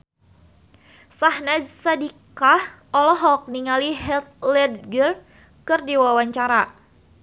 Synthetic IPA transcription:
sahnad͡ʒsadikahʔɔlɔɦɔk̚niŋaliɦɛlt̪̚lɛd̪̚ɡər | kɨrdiwawaɲt͡ʃaɾa

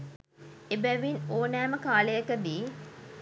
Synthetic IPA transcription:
ebæʋinoːnæːməkaːləjəkəd̪iː

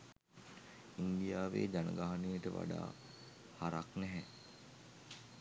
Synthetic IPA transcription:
ind̪ijaːʋḛːd͡ʒanə̰ɡaɦanejəʈəʋa̰ɖa̰ː | haɾaknɛɦɛ

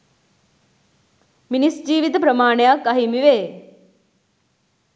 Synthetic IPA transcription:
minisd͡ʑiːʋit̪ɐpɾɐmaːɳjaːkɐɦimiʋeː

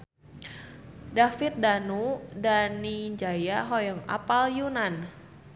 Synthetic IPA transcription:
dafit̪̚danudaniɲd͡ʒajaɦɔjɔŋa̰paljunan

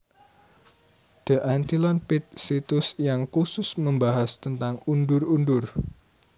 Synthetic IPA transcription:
d̪̥ə̤ʔant̪ilɔnpɪt̪̚sit̪ʊsjaŋkusʊsməmbaɦast̪ənt̪aŋundʊrundʊr

